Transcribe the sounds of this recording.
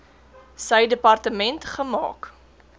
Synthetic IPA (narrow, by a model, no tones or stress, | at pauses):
səjdəpɐrtəmɛntχəmɑ̰ːk